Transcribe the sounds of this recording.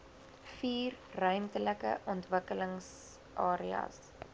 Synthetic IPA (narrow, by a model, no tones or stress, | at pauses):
fiːrːœɥmtələkə̰ʔɔntvəkələŋs | ʔɑːɾiɐ̰s